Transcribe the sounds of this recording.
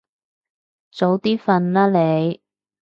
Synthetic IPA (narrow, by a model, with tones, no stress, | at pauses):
t͡so˨˧˥wt̪iː˥fɐ˧nlaː˥le˨˧j